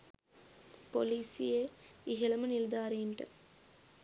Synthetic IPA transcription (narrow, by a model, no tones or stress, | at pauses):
poliːsɪjeːɪɦɛlɐmɐnɪld̪aːɾeːnɖɐ̰